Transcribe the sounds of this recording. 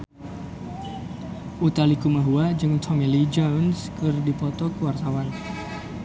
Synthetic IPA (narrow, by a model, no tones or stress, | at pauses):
ʔut̪alikumaɦuad͡ʒɨŋt̪ʰɔŋɛlid͡ʒɔwnskɨrdipɔt̪ɔkəwart̪awan